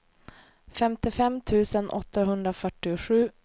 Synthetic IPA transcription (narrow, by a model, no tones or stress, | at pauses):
fɛmt̪ɪfɛmːt̪ʰʉ̟ːsənʔɔ̰t̪ːaɦɵnd̪ɾafœʈːɪʊɧʉ̟ː